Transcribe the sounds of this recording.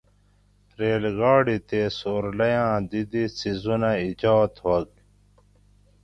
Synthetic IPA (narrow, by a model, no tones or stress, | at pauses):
ɾeːlɡaːɽit̪esoːɾlɐjãːd̪id̪isizunaid͡ʑaːt̪ɦɐɡ